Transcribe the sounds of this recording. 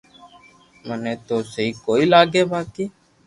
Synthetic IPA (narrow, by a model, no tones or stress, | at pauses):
mənẽːt̪oːsəɦiːkoːiːlaːɡeːbaːkiː